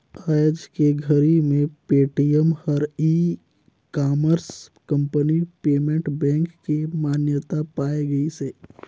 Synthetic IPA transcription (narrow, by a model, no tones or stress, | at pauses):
ajəd͡ʒkeɡʱəɾimẽpeːʈijəmhəɾiː | kaːməɾskɐ̃mpənipeːmẽɳʈbɛ̃ːŋkːimaːnjət̪apaːeɡɐiseː